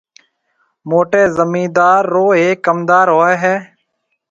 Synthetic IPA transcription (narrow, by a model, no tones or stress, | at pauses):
moːʈeːzəmĩːd̪aːɾːoːeːkːəmd̪aːɾɦoːeːɦɛː